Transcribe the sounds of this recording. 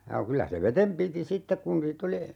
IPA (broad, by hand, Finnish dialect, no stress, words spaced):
jɑ kylæ se ʋetem piti sitːek kun niːt oli